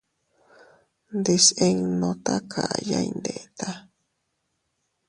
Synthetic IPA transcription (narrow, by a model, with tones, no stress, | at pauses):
nd̪e˧se˧ŋnõ˧t̪a˦kʰa˨ja˦ind̪e˨t̪a˦